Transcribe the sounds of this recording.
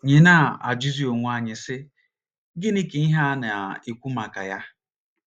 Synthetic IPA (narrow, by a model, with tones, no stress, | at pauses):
ɲe˨na˦˨a̰˨d͡ʒu˦zi˦o˨ŋʷu˨˦a˨ɲɪ˨sɪ˦ | ɡɪ˦ni˦ke˨i˦ɦa˦na˨e˨kʷu˦ma˨ka̰˨ja˦